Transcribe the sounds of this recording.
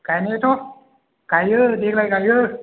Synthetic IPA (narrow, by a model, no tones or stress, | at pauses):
kajnet̪ʰo | kajɯdek̚lajkajɯ